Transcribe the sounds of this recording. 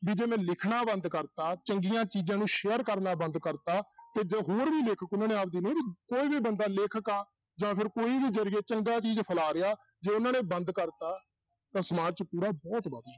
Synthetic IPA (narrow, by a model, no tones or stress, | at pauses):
biːd͡ʒeːmɛ̃ːlɪkʰnaːbənd̪kəɾt̪aːt͡ʃəŋɡijãːt͡ʃiːd͡ʒãːnũːʃeːəɾkəɾnaːbənd̪kəɾt̪aːt̪eːd͡ʒɦoːɾbiːleːkʰəkʊnãːnẽːaːp̚ʰd̪iːnə̃ːbiːkoːiːbiːbənd̪aːlɪːkʰəkaː | d͡ʒãːpʰɪɾkoːiːbiːd͡ʒəɾɪjeːt͡ʃəŋɡaːt͡ʃiːd͡ʒpʰəlaːɾɪaː | d͡ʒeːʊnãːnẽːbənd̪kəɾt̪aː | t̪ãːsəmaːt͡ʃpuːɾaːbɔːt̪bəd̪d͡ʒ